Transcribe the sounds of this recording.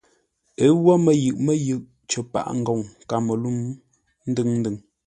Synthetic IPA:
e˨˦wɔ˦mə˨jɯ˨ʔmə˦jɯ˨ʔ | t͡ʃə˨pa̰˨ʔŋ̩˨ɡɔ˨ŋka˨mə˨lu˦m | n̩˦dɨ˦ŋn̩˦dɨ˨ŋ

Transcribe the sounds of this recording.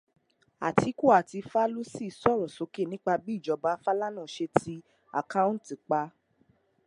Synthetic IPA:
a̰˨ti˨˦ko˦˨a˨ti˧fa˦lo˦si˦˨sɔ˦˨ɾɔ˨so˨˦ke˦˨nĩ˦k͡pa˧bi˦˨d͡ʒɔ˧ba˨˦fa˦la˦nũ˦˨ʃe˧tʰi˧ | a̰˨kã˦ũ˦n˦ti˨k͡pa˧˦

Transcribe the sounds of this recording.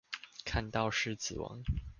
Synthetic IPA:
kʰa˥˧nt̪ɑ˥˧ʊʂɻ̩˥˩t͡sɹ̩˨˩wɑ̰˧˥˦ŋ

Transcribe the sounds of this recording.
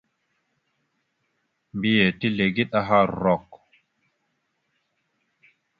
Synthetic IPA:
mbi˦je˨ti˦le˨ɡi˦ɗa˦ɦa˦ɾɔ˨k

